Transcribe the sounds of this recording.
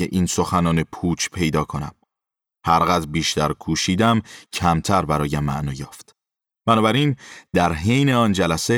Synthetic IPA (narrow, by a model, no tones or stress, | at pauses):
eʔiːnso̞xænɒːne̞pʰuːt͡ʃʰpʰe̞jd̪ɒːkʰo̞næ̰m | hæɾɣæd̪ɾbiːʃt̪æɾkʰuːʃiːd̪æmcʰæmt̪ʰæɾbæɾɒːjæmːæ̰ʔnɒːjɒːft̪ | b̥ænɒːbæɾind̪̥æɾɦe̞jne̞ɒːnd͡ʒælæse̞